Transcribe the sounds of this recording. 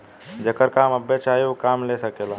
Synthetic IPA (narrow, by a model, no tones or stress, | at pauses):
d͡ʒɐkəɾkaːmɐbet͡ʃaːjokaːmleːsɐkelaː